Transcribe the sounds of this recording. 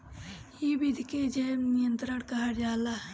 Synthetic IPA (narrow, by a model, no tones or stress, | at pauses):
jibid̪ʱiked͡ʒemnijənt̪ɾəɽkɐɦəɾjaːla